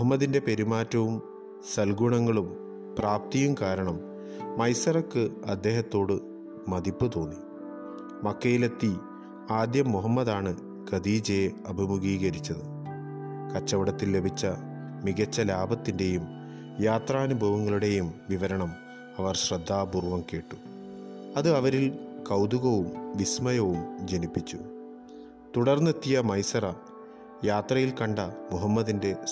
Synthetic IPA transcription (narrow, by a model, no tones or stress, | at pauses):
muɦɐmːɐðinde̞pe̞ɾumaːtːɐʋum | sɐlɡuɳɐŋːɐɭum | praːp̚t̪ijumkaːɾɐɳɐmː | ɐjsɐrɐkːɨɐd̪ːe̞ːɦɐt̪ːo̞ːɽɨ | mɐd̪ipːut̪o̞ːnːi | mɐkːejile̞t̪ːi | aːd̪jɐmːuɦɐmːɐðaːɳɨ | ɡ̥ɐd̪iːd͡ʑeːɐbʱimuɡiːɡɐɾit͡ɕːɐðɨ | kɐt͡ɕːɐʋɐɽɐt̪ːille̞bʱit͡ɕːɐ | miɣɐt͡ɕːɐlaːbʱɐt̪ːinde̞jum | jaːt̪raːnubʱɐʋɐŋːɐɭuɽe̞jumʋiʋɐɾɐɳɐm | ɐʋɐrɕrɐd̪ʱːaːburʋɐmke̞ːʈːu | ɐðɨɐʋɐɾilkɐwd̪uɣɐʋumʋismɐjɐʋumd͡ʑenipːit͡ɕːu | t̪uɽɐrnːet̪ːijɐmɐjsɐrɐ | jaːt̪rɐjilkɐɳɖɐmuɦɐmːɐðinde̞